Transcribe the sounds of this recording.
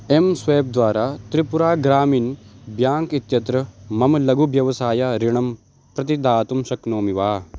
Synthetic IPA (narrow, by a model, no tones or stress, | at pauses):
emsʋeːb̚d̪ʋaːɾaːt̪ɾipuɾaːɡɾaːmiːnbjaːŋkit̪jɐt̪ɾɐmɐmlɐɡʱuʋjɐʋɐsaːjaɾiɳɐm | pɾɐt̪̬id̪aːt̪umʃɐknoːmiʋaː